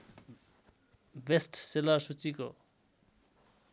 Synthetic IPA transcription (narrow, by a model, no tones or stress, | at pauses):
besʈselʌrsut͡siko